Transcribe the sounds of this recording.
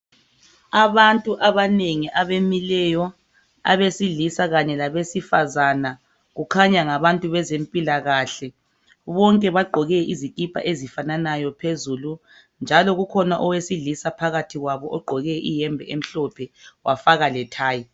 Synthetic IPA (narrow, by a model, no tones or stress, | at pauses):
aβantʼuʔaβaneŋiʔaβemilɛjɔ | a̰βesiɮisaɣaɲɛlaβesifazana | ɣukʰaɲaŋaβantʼuβɛzempʼilaɣaɬɛ | βɔŋkʼɛβaɡ͡ǃʱɔɣɛizikʼipʰa̰ʔezifananajɔpʰezulu | nd͡ʒʱalɔɣukʰɔnaʔɔwesiɮisapʰaɣatʰiɣwaβɔʔɔɡ͡ǃʱɔɣɛʔijɛmbʱɛem̩ɬɔpʰɛwʔafaɣalɛtʰaːji